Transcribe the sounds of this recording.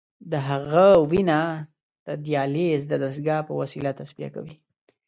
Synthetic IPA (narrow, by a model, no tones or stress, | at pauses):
d̪əɦaɣawina | d̪̥əd̪ijɑlezd̪əd̪ɾsɡɑpəwasilat̪asbija̰ka̰wi